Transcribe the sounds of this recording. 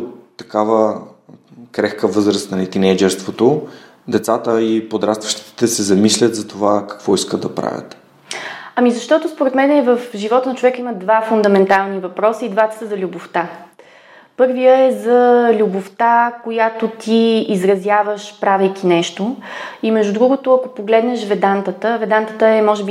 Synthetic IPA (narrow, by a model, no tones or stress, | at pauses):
ɐ̥kavə | kɾɛxkəvɤzɾəst̪nɐlɛt̪inɛjd͡ʒɛɾst̪vot̪o | d̪ɛt̪sat̪əipod̪ɾat̪st̪vəʃt̪i̥t̪i̥t̪ɛsɛzɐmislʲət̪zɐt̪ovakɐ̥kvɔiskəd̪d̪ɐpɾa̰vʲə̰t̪ | ɐmizɐʃt̪ɔt̪ʊspoɾɛt̪mɛnɛvəfʒivɔt̪ənɐt͡ʃovɛkəiməd̪vafʊnd̪ɐmɛnt̪alˠnivɐpɾɔsəid̪vat̪ɛ̥səzɐlʲuboft̪a | pɤɾvijəɛzɐlʲuboft̪akojat̪ot̪iizɾɐzʲjavəʃpɾavɛjk̟inɛʃt̪oimɛʒd̪ud̪ɾuɡot̪ʊɐkopoɡlɛd̪nɛʃvɛd̪ant̪ət̪əvɛd̪ant̪ət̪əɛmɔʒɛbi